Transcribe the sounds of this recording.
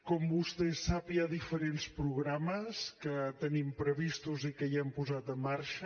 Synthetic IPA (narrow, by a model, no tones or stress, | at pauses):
kɔmbust̪esapjaðifəɾenspɾuɣɾaməskət̪ənimpɾəβ̞ist̪uzikəjɛmpuzat̪əmːaɾʃə